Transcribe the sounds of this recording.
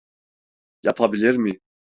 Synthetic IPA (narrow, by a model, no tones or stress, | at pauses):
japʰabilʲiɾmi